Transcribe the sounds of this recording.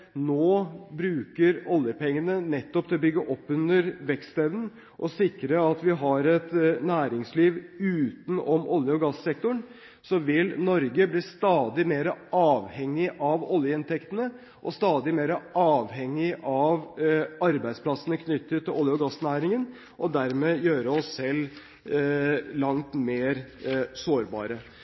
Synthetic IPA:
noːbɾʉːkəɾɔljəpʰɛŋːənənɛt̪ːɔpt̪ʰɪlɔbʏɡːəʔɔpːʉnəɾʋɛkst̪ɛʋnn̩ | ʔɔsɪkɾəɑt̪ʋɪɦɑɾɛt̪næːɾɪŋsliːʋʉːt̪n̩ɔmʔɔljəɔɡɑsːɛk̚t̪ʊɳ | sɔʋɪlnɔɾɡəbliːst̪ɑːd̪ɪmeːɾəʔɑːʋhɛŋːɪʔɑʋɔljəɪnt̪ʰɛkt̪ənə | ʔɔst̪ɑːd̪ɪmeːɾəʔɑːʋhɛŋːɪʔɑʋɑɾbæɪd̪spʰlɑsənəkʰnʏt̪ːət̪ʰːɪlʔɔljəɔɡɑsnæːɾɪŋən | ʔɔd̪æɾmeːjøːɾəɔsːɛlː | lɑŋt̪meːɾsoːɾbɑ̰ːɾə

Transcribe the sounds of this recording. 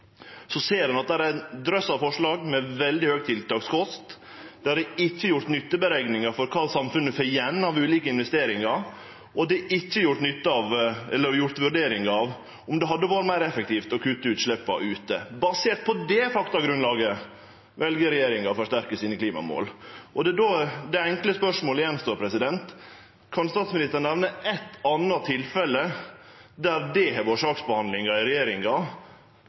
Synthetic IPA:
sɔseːɾɑnɑt̪̚d̪æɾæɪnd̪ɾœsɑʋfɔʂɭɑːɡmɛʋɛld̪ɪhøːɡ̚t̪ʰɪlt̪ɑːɡskʰɔst̪ | d̪̥ɛhɑɾd̪ɛɪçːəjʊɾʈ̪nʏt̪ːəbəɾɛɡnɪŋɑɾfɔɾkʰɑːsɑmfʉnːəfœjɛnːɑʋʉːliːkəɪnʋɛst̪eːɾɪŋɑɾ | ʔɔd̪ɛʔɪçːəjʊʈ̪nʏt̪ːəɑʋɛlːəɾjʊɾt̪ʋʉɖeːɾɪŋɑʋ | ʊmd̪ɛɦɑd̪ːəʋɑːɾəmæɪɾɛfək̚t̪ʰiːft̪ɔkʰʉt̪ːəʉːt̪ʂɭɛpːɑ̰ʔʉːt̪əbɑseːʈ̪̚pʰɔd̪ɛfɑkt̪ɑɡɾʉnlɑːɡə | ʋɛlɡəɾɛjeːɾɪŋɑfɔʂtæɾkəsiːnəkʰliːmɑ̰mo̰ːlʔɔd̪ɛd̪oːd̪ɛɛŋkləspœʂmoːləjɛnːst̪oːɾpʰɾɛsɪd̪ɛnt̪ | kʰɑnst̪ɑːt̪smɪnɪst̪əɾɳɛʋnəʔɛt̪ːɑnɑt̪ʰɪlfɛlːə | d̪æɾd̪ɛɦɛʋoːʂɑːksbəhɑnd̪lɪŋɑɪɾɛjeːɾɪŋɑ

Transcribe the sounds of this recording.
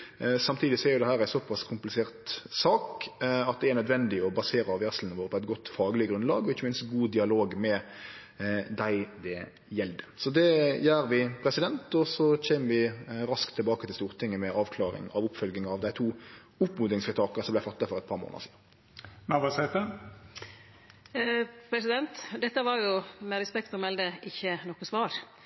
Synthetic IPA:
sɑmt̪ʰiːd̪ɪsɔæɾjʊd̪ɛhæːɾæɪsɔpʰɑskʰʊmplɪseːʁt̪sɑːkɑt̪̚d̪ɛæɾnœd̪ʋɛnd̪ɪɔbɑseːɾəɑʋæsln̩əʋoːɾpʰɔɛɪt̪ɡɔt̪ːfɑːɡlɪəɡɾʁʉnlɑːɡɔɪçːəmɪnst̪ɡuːd̪ɪɑloːɡmɛ | d̪æɪd̪ɛ | jɛld̪ə̥sɔd̪ɛjæːɾʋɪpʰɾɛsɪd̪ɛnt̪ɔsɔc͡çɛːməʋɪɾɑskt̪ʰːɪlbɑːkət̪ɪst̪uːʁt̪ʰɪŋːəmɛɑːʋkʰlɑːɾɪ̰ŋɑʋʊpːfœlɡɪŋɑʋd̪æɪt̪ʰuː | ʊpːmʊːd̪ɪŋsfɾɪt̪ʰɑːkəsɔmblæfɑt̪ːɑfɔʁɛt̪pʰɑːɾmo̰ːnə̰siː | næʋɑsɛt̪ə | pʰɾɛsɪd̪ɛnt̪d̪ɛt̪ːəʋɑɾjʊmɛɾɛspɛk̚t̪ɔmɛld̪əɪçːənɔkːəsʋɑːɾ

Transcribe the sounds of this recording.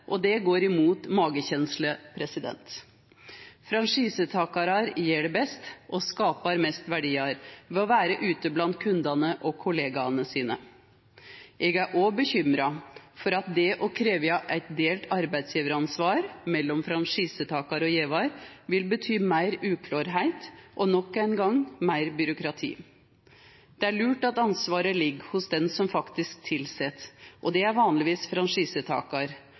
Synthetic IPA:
ʔɔd̪ɛɡoːɾɪmuːt̪mɑːɡəçɛnsləpʰɾɛsɪd̪ɛ̰nt̪ | fɾɑnʂiːsət̪ʰɑːkɑɾɑɾjeːɖɛbɛst̪ʔɔskɑːpɑɾmɛst̪ʋæɖiːɑɾʋɛɔʋæːɾəʔʉːt̪əblɑnt̪kʰʉnd̪ɑnəʔɔkʰʊleːɡɑnəsiːnə | ɛɡæɾʔɔbəçʏmɾɑfɔɾɑt̪̚d̪ɛʔɔkʰɾeːʋjɑʔæɪt̪̚d̪eːlt̪ɑɾbæɪd̪sjiːʋəɾəɑnsʋɑːɾmɛlːɔmfɾɑnʂiːsət̪ʰɑːkɑɾɔjeːʋɑɾʋɪlbət̪ʰyːmæɪɾʉːkʰlɑːɾɦæɪt̪ʔɔnɔkːæɪnɡɑŋmæɪɾbʏɾʊkɾɑt̪ʰḭː | d̪̥ɛæɭʉːʈɑt̪ɑnsʋɑːɾəlɪɡhʊsd̪ɛnsɔmfɑkt̪ɪsk̚t̪ʰɪlsɛt̪ːʔɔd̪ɛæɾʋɑːnlɪʋiːsfɾɑnʂiːsət̪ʰɑ̰ːkɑɾ

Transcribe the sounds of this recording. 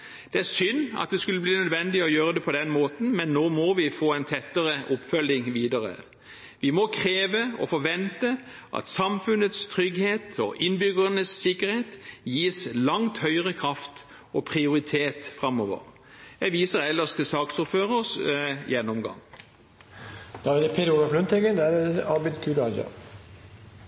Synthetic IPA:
d̪̥ɛæʁsʏnːɑ̰t̪̚d̪ɛskʉlːəbliːnœd̪ʋɛnd̪ɪɔjøːɾəd̪ɛpʰɔd̪ɛnmoːt̪n̩mɛnːoːmɔʋɪfoːɛɪnt̪ʰɛt̪ːəʁəʔʊpfœlːɪŋʋiːd̪əʁə̰ | ʋɪmɔkʰɾeːʋəɔ̰fɔʋɛnt̪ə | ʔɑ̰t̪sɑmfʉnət̪st̪ʰɾʏɡheːt̪ɔ̰ʔɪnbʏɡəʁənəsːɪkːəɾheːt̪jiːslɑŋt̪hœʏʁəkʰʁɑft̪ | ɔpʰʁɪʊɾɪt̪ʰeːt̪fʁɑmɔːʋə̰ʁ | jæʋiːsəʁɛlːəʂt̪ʰɪlsɑːksɔføːʁəsjɛnːɔmɡɑ̰ŋ | d̪̥ɑːʋɪd̪ɛpʰed̪ulɑflʉnt̪ʰɛɡənd̪æd̪ɛɑbɪd̪kʰʉɾɑd͡ʒɑ̰

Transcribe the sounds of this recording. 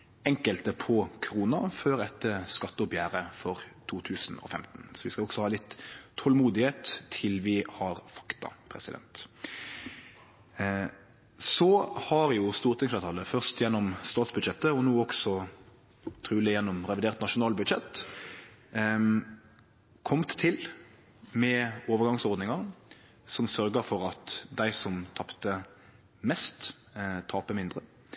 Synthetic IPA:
ɛŋkəlt̪əpʰɔkʰɾuːnɑføːɾɛt̪ːəskɑt̪ːəɔbjæːɾəfɔɾt̪ʰuːt̪ʰʉːsn̩ɔ̰fɛmt̪n̩sɔʋɪskɑɔɡ̥sɔhɑːlɪt̪ʰːɔlmuːd̪ɪheːt̪ʰːɪlʋɪhɑɾfɑ̥kt̪ɑ̰pʰɾɛ̰sɪd̪ɛ̰nt̪ | sɔhɑʁjʊst̪uːʁt̪ʰɪŋslɑːt̪ʰɑːləfœʁst̪jɛnːɔmst̪ɑːt̪sbʉd̪ʃɛt̪ːəɔnuːɔksɔ | t̪ʰʁʉːlɪjɛnːɔmʁɛʋɪd̪eːʁt̪nɑʂʊnɑːlbʉd̪ʃɛt̪ː | kʰɔmt̪ʰːɪl | mɛoːʋəʁɡɑŋsɔʁd̪nɪŋɑɾ | sɔmsœɾɡəfɔɾɑt̪d̪æɪsɔmt̪ʰɑpt̪ə | mɛst̪t̪ʰɑːpəmɪnd̪ʁə

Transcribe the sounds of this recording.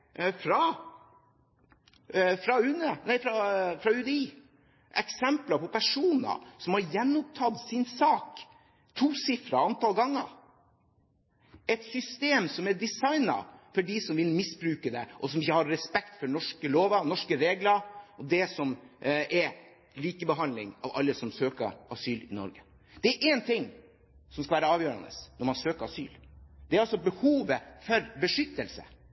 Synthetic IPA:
fɾɑ | fɾɑʉnənæɪfɾɑfɾɑʉd̪ɛiː | ʔɛ̰ksɛmplɑpɔpʰæʂuːnə̰sɔmhɑɾjɛnːɔp̚t̪ʰɑd̪sɪnsɑːk | t̪ʰuːsɪfɾɑ̰ɑnt̪ɑlɡɑŋːə̰ɾ | ɛt̪sʏst̪eːmsɔmɛɖɪsɑɪnɑ̰fɔɖisɔmʋɪlmɪsbɾʉːkəd̪ɛ̰ʔɔsɔmɪçːəhɑɾːɛspɛkt̪fɔɳɔʂkəloːʋɑnɔʂkəɾeːɡlɑɾɔd̪ɛsɔmɛɾ | liːkəbəɦɑnd̪lɪŋɑ̰ʋɑ̰lːəsɔmsøːkə̰ɾʔɑsyːlɪnɔ̰ɾɡə | d̪̥ɛɛɾʔɛnt̪ʰɪŋː | sɔmskɑʋæːɾəɑːʋjøːɾɑ̰nə̰snɔɾmɑnsøːkəɾɑsy̰ːld̪̥ɛɾɑlsɔbəhuːʋəfɔɾbəʂʏt̪ːəlsə̰

